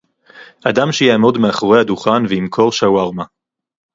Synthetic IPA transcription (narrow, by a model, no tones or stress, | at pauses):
ʔad̪amʃejaːmo̞d̪meaχoʁehad̪uχanveimkʰo̞lʃawaʁma